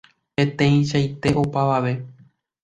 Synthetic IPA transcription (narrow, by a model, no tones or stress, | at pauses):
pẽ̞t̪ẽ̞ĩʃajt̪e̞ʔo̞paʋaʋe̞